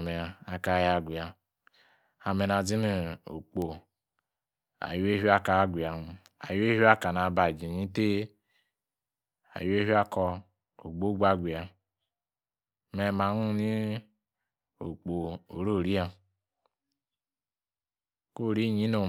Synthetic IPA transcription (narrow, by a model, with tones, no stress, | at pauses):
me˨a˨a˨ka˨ja˨ɡʷi˨a˨ | a˨me˨na˨d͡zi˦ne˦o̰˨k͡po˨ | a̰˨ju˦e˦ɦi˦a˦ka˨˦ɡʷi˨a˨˦ | a˨ju˦e˦ha˦ka˨na˨ba˨d͡ʒi˨ɲi˦te˦ | a̰˨jo˦e˦ɦi˦a˦kɔ˨ | o̰˨ɡ͡bo˦ɡʷa˦ɡʷi˨a˨ | me˨ma˨˦nu˦ni˦ | o̰˨k͡po˨o˨ɾo˦˨ɾi˦a˦ | ko˦˨ɾi˦˨ɲi˦no˨